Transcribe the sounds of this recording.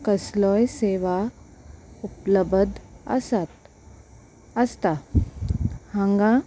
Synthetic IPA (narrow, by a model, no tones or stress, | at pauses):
kəslɔjseʋa | upləbəd̪a̰sat̪ | əst̪a | hãŋɡã